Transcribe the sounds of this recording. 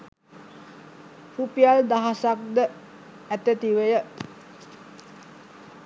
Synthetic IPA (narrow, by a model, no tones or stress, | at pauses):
hupijald̪aɦasak̚d̪ə | æt̪et̪iʋəjə